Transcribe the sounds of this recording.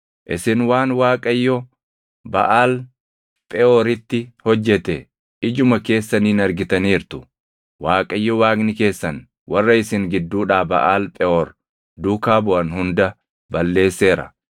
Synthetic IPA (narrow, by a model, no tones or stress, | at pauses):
ʔɪsɪnwaːnwaːkʼɐjːɔ | bɐ̰ʔaːl | pʼɛʔoːɾɪt̪ːɪhɔd͡ʒːɛt̪ɛ | ʔɪd͡ʒʊmɐke̞ːsːɐniːnɐɾɡɪt̪ɐniːɾt̪ʊ̥ | waːkʼɐjːɔwaːɡnɪke̞ːsːɐn | wɐrːɐɪsɪŋɡɪd̪ːuːᶑaːbɐʔaːlpʼɛʔoːɾ | d̪uːkaːbʊʔɐnhʊnd̪ɐ | bɐlːe̞ːsːe̞ːɾɐ̰